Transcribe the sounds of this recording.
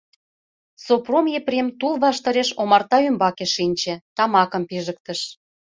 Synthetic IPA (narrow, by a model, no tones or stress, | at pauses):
sopromjepremt̪ulˠβɑʃt̪ɤ̆ɾeʃomɑrt̪ɑymbɑkeʃinʲt͡ɕĕt̪ɑmɑkə̆mpiʒə̆k̚t̪ə̆ʃ